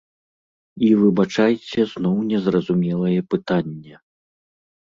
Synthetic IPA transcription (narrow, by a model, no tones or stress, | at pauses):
ivɨbat͡ʂajt͡sʲɛznɔwnʲɛzrɐzumʲɛlˠɐjɛpɨt̪anʲːɛ